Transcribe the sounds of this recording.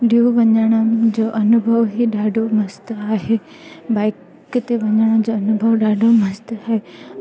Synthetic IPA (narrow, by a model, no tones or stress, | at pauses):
ɗiuʋɐɲəɽ̃əd͡ʑoːʔɐnʊbʱəʋɦiɗaːɖʱomɐst̪aːɦe | baːɪk | t̪eʋɐɲəɽ̃əd͡ʑoːɐnʊbʱəʋɗaːɖʱomɐst̪aːɦe